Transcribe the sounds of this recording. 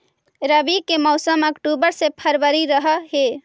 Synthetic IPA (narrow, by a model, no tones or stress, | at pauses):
ɾəbikemɔʊsəməkʈubəɾsepʰəɾʋəɾiɾəɦəɦe